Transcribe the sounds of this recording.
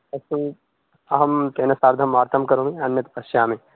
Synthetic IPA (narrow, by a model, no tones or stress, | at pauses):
ɐsu | ɐɦɐmt̪eːnɐsaːɾd̪ʱɐmːaːɾt̪ʰɐmkɐɾõːɡiɐnjɐt̪pɐʃjaːmẽ